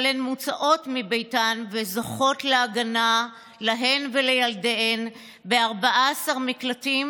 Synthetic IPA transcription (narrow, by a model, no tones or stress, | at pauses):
lenmut͡saʔo̞tmibe̞jtanvezoχo̞tleaɡana | laɦe̞nvelejaldeen | beaʁbaʔasaʁmiklatim